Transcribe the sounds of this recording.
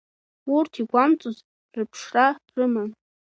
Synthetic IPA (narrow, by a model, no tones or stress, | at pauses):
urtʰiɡʷamt͡sʼuz | rɨpʰʂrarɨman